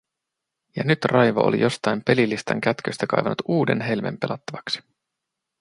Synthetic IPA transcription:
jɑnyt̪rʔɑjʋɑ̰ʔolḭjo̞st̪ɑjmpe̞lilːist̪ɑ̰ŋk̟æt̪køst̪ækɑ̰jʋɑnut̪uːde̞̰nɦe̞lme̞̰mpe̞lʔɑt̪ːɑʋɑksi̥

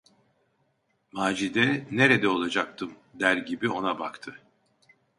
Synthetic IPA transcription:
maːd͡ʒid̪ɛne̞ɾɛd̪ɛo̞lˠad͡ʒak̚t̪ʰɯmd̪æɾɟibio̞naba̰kt̪ʰɯ

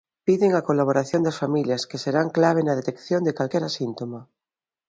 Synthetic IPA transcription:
piðeŋakolaβ̞oɾaθjond̪ɐasfamiljɐskeseɾaŋklaβ̞enaðet̪ekθjond̪ekalkɛɾasint̪oma

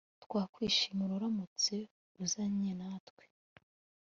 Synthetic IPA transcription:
twaːkwiːʃimuɾuɾamut͡se | ɾuzaɲenatkwe̥

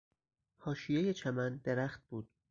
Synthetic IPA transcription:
hɒːʃijejet͡ʃʰæmænd̪eɾæxt̪̚b̥uːd̪̥̚

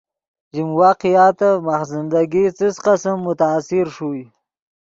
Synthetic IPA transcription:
d͡ʒimwɑːqijɑːt̪amaxzɪnd̪aɡit͡səsqasamːʊt̪aːsɪɾʂu

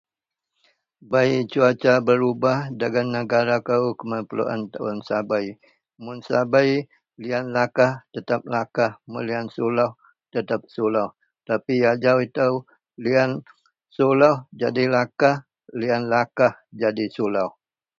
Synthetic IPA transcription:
bait͡ʃuat͡ʃabəɾubahdaɡanːəɡaɾakəukəməpəlṵʔa̰nt̪aʊ̰nsabaj | mʊnsabaj | lianlakaht̪ət̪ap̚lakahmuliansulah | t̪ət̪ap̚sulawh | t̪apijad͡ʒawit̪aw | lian | sulahd͡ʒadilakah | lianlakahd͡ʒadisulawh

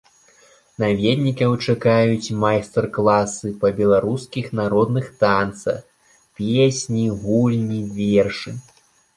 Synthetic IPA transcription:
navʲɛd̪ʲnʲikɐwt͡ʂakajut͡sʲmajst̪ɛrklˠasɨpɐbʲɛlˠaɾuskʲixnaɾɔd̪nɨxt̪ant̪sɐ̰x | pʲesʲnʲiɣulʲnʲivʲerʂɨ

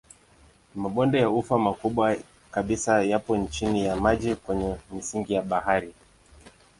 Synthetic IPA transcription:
maɓɔndɛjaufamakuɓwa | kaɓisajapɔnt͡ʃinijamaʄikwɛɲɛm̩siŋɡijaɓahaɾi

